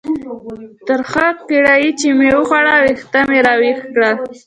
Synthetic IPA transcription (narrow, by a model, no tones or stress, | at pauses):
t̪əɾxaq̚keɽajit͡ʃemewəxaɽawext̪ameɾɑwexkɽa